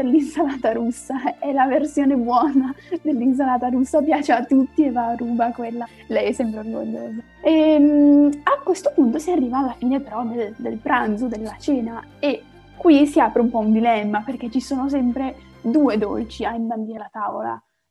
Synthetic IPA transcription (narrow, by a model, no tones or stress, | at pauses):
elːinsalaːt̪aɾusːaɛlaversjoːnebwɔːnad̪elːins̬alaːt̪aɾusːapjaːt͡ʃeat̪ːut̪ːievːaːruːbakwelːa | lɛjɛsːɛmpɾeorɡo̰ʎːo̰ːza | ɛmakːwest̪opunt̪osiarːiːvaːlːafiːnepeɾɔmed̪ed̪elpɾant̪sod̪elːat͡ʃeːnae | kːwisiaːpɾeumpɔund̪ilɛmːaperket͡ʃːisoːnos̬ɛmpɾe | d̪uːed̪ɔ̰lt͡ʃiaimband̪iːɾelat̪aːvo̰la̰